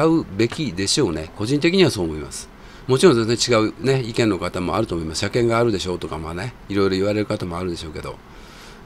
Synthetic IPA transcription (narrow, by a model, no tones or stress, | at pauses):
aɯ̟be̞kʲid̪e̞ɕo̞ːne̞ko̞ʑĩnt̪̬ekʲiɲ̟iβ̞aso̞ːmo̞ima̰sɨ̥ | mo̞t͡ɕiɾõsosnt͡ɕiɡaɯ̟ne̞ikẽ̞nːo̞kat̪amo̞̰aɾɯ̟t̪o̞ːmo̞imasɨ̥ɕakẽ̞ŋɡaːɾɯ̟d̪e̞ɕo̞ːt̪o̞kamaːne̞ | iɾo̞iɾo̞iβaɾe̞ɾɯ̟kat̪amo̞aɾɯ̟d̪e̞ɕo̞ːked̪o̞̰